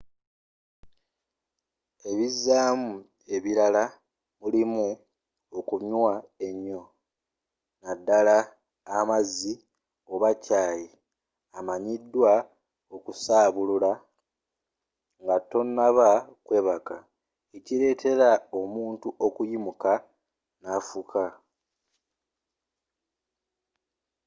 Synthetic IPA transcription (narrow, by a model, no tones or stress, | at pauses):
e̞βizːaːmu | e̞βiɾala | mulimu | okuɲwae̞ɲːo̞ | nadːalaː | mazi | o̞βacaːji | amaɲidːwa | okusaːβulula | ŋɡato̞nːaβakwe̞ːβaka | eciɾe̞ːtʰe̞ɾao̞muːntuʔo̞kujimuka | nafukʰa